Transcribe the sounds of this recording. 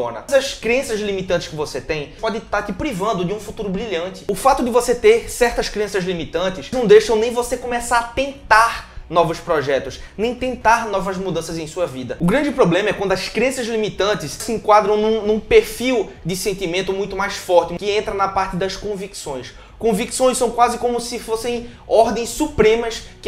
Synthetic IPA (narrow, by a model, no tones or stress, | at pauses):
o̰nɐ̰zɐskɾiẽsɐzlimit̪ɐ̃ntɪskɪvoset̪ẽj̃pɔd̪ɪt̪aɾt̪ɪpɾivɐ̃nd̪ʊd͡ʒɪũfut̪uɾʊbɾiʎɐ̃nt̪ɪ̥ʊfat̪ʊd̪ɪvoset̪eɾsɛɾt̪ɐskɾiẽsɐzlimit̪ɐ̃nt̪ɪsnɐ̃w̃d̪ejʃɐ̃w̃nẽj̃vosekõmɛsaɾt̪ẽnt̪aɾnɔvʊspɾɔʒɛt̪ʊsnẽj̃t̪ẽnt̪aɾnɔvɐzmud̪ɐ̃sɐzẽj̃suɐvid̪ɐʊɡɾɐ̃nd͡ʒɪpɾoblẽmɐɛkwɐ̃nd̪ʊɐskɾiɐ̃sɐzlimit̪ɐ̃nt̪ɪssɪẽkwad̪ɾɐ̃w̃nũnũpeɾfiw | d̪ɪsẽnt̪imẽnt̪ʊmũj̃t̪ʊmajsfɔɾt̪ɪkɪẽnt̪ɾɐnɐpaɾt̪ɪd̪ɐskõviksõj̃s | kõviksõj̃sɐ̃w̃kwazɪkõmʊsɪfosẽj̃ | ɔɾd̪ẽj̃ssupɾẽmɐskɪ